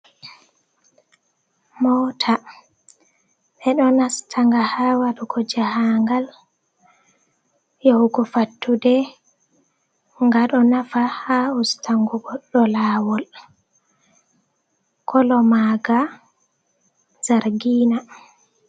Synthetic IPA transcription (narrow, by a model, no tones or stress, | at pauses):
mɔtʰa | ɓɛɗɔnastʰaŋɡahawaɗuɡɔd͡ʒahaŋɡal | jɔwɡɔfatːudɛ | ŋɡaɗɔnafahaustʰaŋɡuɡɔɗɔlaːwɔl | kʰɔlɔmaɡa | z̥aɾɡiːna